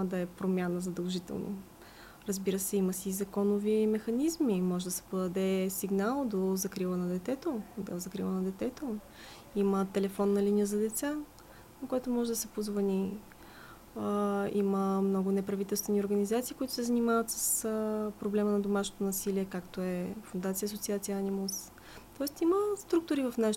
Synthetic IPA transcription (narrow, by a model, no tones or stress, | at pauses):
d̪ɐɛpɾomʲjanəzɐd̪ɐlˠʒit̪ɛ̰lˠno̰ | ɾəzbiɾəsɛiməsizɐkɔnovimɛxɐnizmimɔʒɛd̪ɐsɛ̥pod̪ɐd̪ɛsiɡnalˠd̪ozɐkɾilˠənɐd̪ɛt̪ɛt̪od̪ɛ̰zɐkɾilˠənɐd̪ɛt̪ɛt̪o | imət̪ɛlɛfɔnːɐlinʲijəzɐd̪ɛt̪sa | nɐkoɛt̪ʊmɔʒɛd̪ɐsɛpozvɐni | iməmnɔɡʊnɛpɾɐvit̪ɛlˠst̪vɛnʲioɾɡɐnizat̪siːkʊit̪ʊ̥sɛzɐnimavət̪sə̥spɾoblɛmənɐd̪omaʃnot̪onɐsiliɛkakt̪oɛfund̪at̪siəsot̪siat̪siəanimus | t̪ɔɛst̪iməst̪ɾuk̚t̪ʊɾivɐfnaʃ